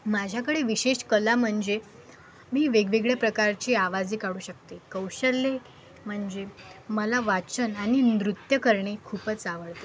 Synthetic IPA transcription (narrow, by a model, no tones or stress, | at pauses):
mad͡ʑʱjakəɽeʋiɕeɕkəlam̤əɳd͡ze | miːʋeɡʋeɡɭjapɾəkaɾt͡ɕiːaʋad͡ziːkaɽuːɕək̚t̪ekəwɕəlːe | m̤əɳd͡zeməlaʋat͡sənañinɾut̪jəkəɾɳekʰuːpət͡saʋəɭt̪e